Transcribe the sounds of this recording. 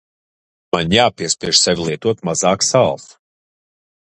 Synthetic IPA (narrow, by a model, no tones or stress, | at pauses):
manjaːpʲiɛspʲiɛʃsɛvʲilˠiɛt̪uɔt̪mazaːksalˠf